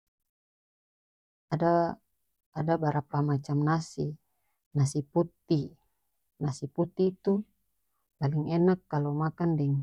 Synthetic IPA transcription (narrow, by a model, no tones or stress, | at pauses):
a | adabaɾapamat͡ʃamnasi | nasiput̪ːi | nasiput̪ːiːt̪u | paliŋɛnakːalomakandɛŋ